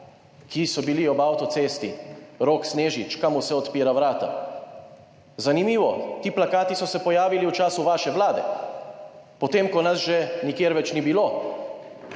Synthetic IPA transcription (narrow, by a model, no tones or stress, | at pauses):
kisɔbiliɔbawt̪ɔt̪seːst̪iɾoːksneːʒit͡ʃkamusɛɔt̪piːɾaʋɾaːt̪a̰ | zanimiːʋɔkiplakaːt̪isɔsɛpɔjaːʋiliwt͡ʃaːsuʋaːʃɛʋlaːd̪ɛ̰ | pɔt̪eːmkɔnasʒɛnikjeːɾʋɛt͡ʃnibiloː